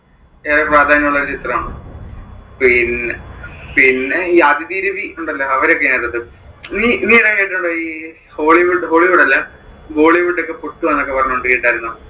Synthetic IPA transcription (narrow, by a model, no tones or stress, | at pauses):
eːɾepraːd̪ʱaːnɐmuɭːɐoɾɨt͡ɕit̪rɐmaːɳu | pinepinːeiɐd̪id̪iːɾɐʋiuɳɖɐlːɐɐʋɐɾokːɐnet̪ːɐðɨ | niniːenaːkaːiʈːuɳɖoːiː | ho̞ːɭiʋuɖɨɦo̞ːɭiʋuɽɐlːɐ | ɡo̞ːɭiʋuɖːokːepoʈːuʋɐnːokːe̞pɐrɐɲːoɳɖɨkiːʈːaːiɾunːu